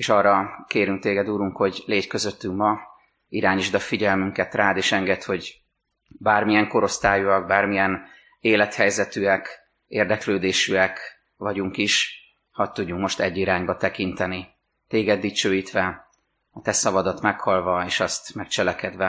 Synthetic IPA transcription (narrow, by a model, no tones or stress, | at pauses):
eːʃɒrːɒkeːɾyŋk̚t̪eːɡɛd̪uːɾuŋkho̞ɟleːckøzøt̪ːyŋmɒ | iɾaːɲiʒd̪ɒfiɟɛlmyŋkɛt̪raːd̪eːʃɛŋɡɛt̪ho̞ɟ | baːrmijɛŋko̞ɾo̞st̪aːjuɒɡ̚baːrmijɛn | eːlɛt̪hɛjzɛt̪yɛk | eːrd̪ɛkløːd̪eːʃyɛk | ʋɒɟuŋkiʃ | hɒt̪ːuɟːuŋkmo̞ʃt̪ɛɟːiɾaːɲbɒt̪ɛkint̪ɛni | t̪eːɡɛd̪ːit͡ʃøːjiːt̪ʋɛ | ɒt̪ɛsɒvɒd̪ɒt̪mɛkhɒlvɒeːʃɒst̪mɛkt͡ʃɛlɛkɛd̪ʋɛ